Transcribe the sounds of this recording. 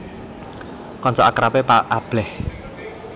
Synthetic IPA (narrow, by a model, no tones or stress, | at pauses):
kɔnt͡ʃɔʔakɾapepaab̥ɛh